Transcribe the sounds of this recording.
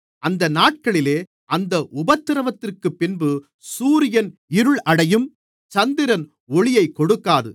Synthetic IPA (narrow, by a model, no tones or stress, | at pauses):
ʔɐnd̪ɐnaːʈ̚kɐɭɪleː | ʔɐnd̪ɐʔʊbɐt̪ːɪɾɐʋɐt̪ːɪrkɯpːɪnbɯ | suːɾɪjɐnɪɾɯɭɐɽɐjɯm | t͡ʃɐnd̪ɪɾɐn | ɔɭɪjɐɪkːɔɽɯkːaːðɯ̰